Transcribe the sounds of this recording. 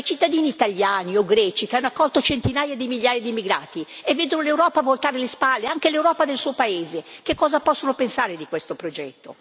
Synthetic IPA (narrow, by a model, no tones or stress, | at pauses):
jt͡ʃit̪ːad̪iːniːt̪aljaːnioɡɾɛːt͡ʃikeanːoakːɔlt̪ot͡ʃent̪inaːjad̪imiʎjaːjad̪imːiɡɾaːt̪ievːeːd̪onolewɾɔːpavolt̪aːɾelespalːeaŋk̟elewɾɔːpad̪elsuːopaeːzekekːɔːzapɔsːonopensaːɾed̪ikwest̪opɾod͡ʒɛt̪ːo̰